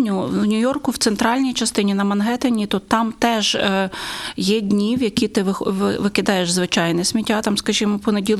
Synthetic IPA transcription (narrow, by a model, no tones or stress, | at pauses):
nʲʊwnʲʊjɔrkʊwt̪sɛnt̪ɾɑlʲnʲijt͡ʃɐst̪ɪnʲinɐmɐnɦɛt̪ɐnʲit̪ut̪ːɑmt̪ɛʒ | jɛdʲnʲiwjɐkʲit̪ɪʋʋʋɪkɪd̪ɑjeʒzʋɪt͡ʃɑjnɛsʲmʲitʲːat̪ɑmskɐʒimɔpɔnedʲilˠ